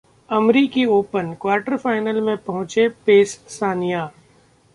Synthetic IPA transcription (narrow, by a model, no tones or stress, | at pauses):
ɐmɾikioːpənkwaːɾʈəɾfaːɪnəlmẽpɐɦʊ̃t͡ʃepeːsːaːnijaː